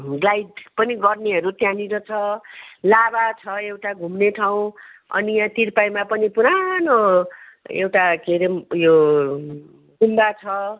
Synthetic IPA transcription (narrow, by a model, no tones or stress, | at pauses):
ɡlajdpʌniɡʌrneɦʌɾut̪jãniɾʌt͡sʰʌlabat͡sʰʌewʈaɡʱumneʈʰaw̃ | ʌ̰nijãt̪irpajmapʌnipuɾano | ḛwʈakeɾemjo | ɡʱumbat͡sʰʌ